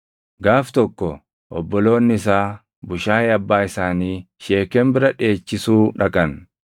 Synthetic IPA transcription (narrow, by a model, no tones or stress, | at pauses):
ɡaːft̪ɔkːɔ | ʔɔbːɔlo̞ːnːɪɪs̬aː | bʊʃaːɛɐbːaːɪsaːniː | ʃeːkɛmbɪɾɐᶑe̞ːt͡ʃːɪsuːᶑɐkʼɐn